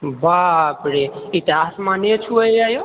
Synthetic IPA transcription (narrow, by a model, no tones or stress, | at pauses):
bapɽeit̪iɦasmãnet͡ʃʰuəajo